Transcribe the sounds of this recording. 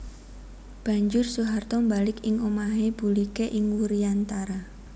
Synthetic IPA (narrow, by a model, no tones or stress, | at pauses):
b̥a̤ɲd͡ʒʊrsuɦart̪ɔmbalɪkɪŋomaɦeb̥ṳlikeʔɪŋwuɾiant̪aɾa